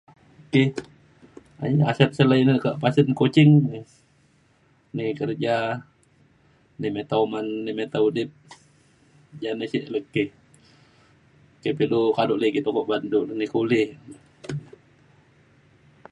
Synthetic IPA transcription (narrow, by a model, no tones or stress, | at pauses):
okeh | a̰jasɛt̪̚səlainəkəʔpasənkot͡ʃɪŋni | nikərd͡ʒa | nimet̪aumanːimet̪audɪp̚ | d͡ʒanəsiʔləkːɪh | okepilukadʊʔlekit̪okɔʔbandulnikulɪh